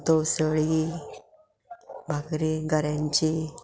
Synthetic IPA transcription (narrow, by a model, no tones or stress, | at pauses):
t̪əwsəɭi | bʱaɡɾeɡʱəɾjãɲt͡ɕi